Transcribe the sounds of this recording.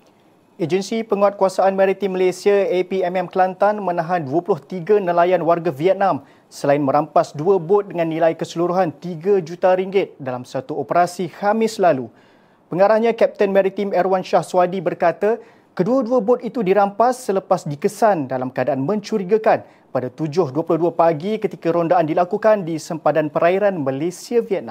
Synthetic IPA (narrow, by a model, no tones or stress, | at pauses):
ed͡ʒənsipəŋuat̪̚kuwasaʔanmɛ̃ɾit̪imːəlesiaepiɛmɛmklant̪anmə̃nãɦanduəpulʊht̪iɡanəlajanwarɡaviɛt̪̚nãm | səlaɪnmə̃ɾampasduabʊt̪̚dəŋanːĩlaikəsəluɾuɦant̪iɡad͡ʒut̪aɾiŋɡɪt̪̚dalamsat̪uopəɾasihamɪslalu | pəŋaɾahɲãkɛp̚t̪ənmɛɾit̪imɛɾwanʃahswadibərkat̪a | kəduaduabot̪̚it̪udiɾampasːələpasdikəsandalamkəadaʔanmə̃ɲt͡ʃuɾiɡakan | padat̪ud͡ʒʊhduəplʊhduapaɡikət̪ikaɾondaʔandilakukandisəmpadanpəɾaiɾanmãlesiaviɛt̪̚nã̰m